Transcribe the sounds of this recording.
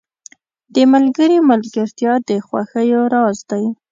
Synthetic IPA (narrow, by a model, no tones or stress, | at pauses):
d̪əmalɡəɾimalɡaɾt̪jɑd̪əxwa̰xəjoɾɑzd̪aj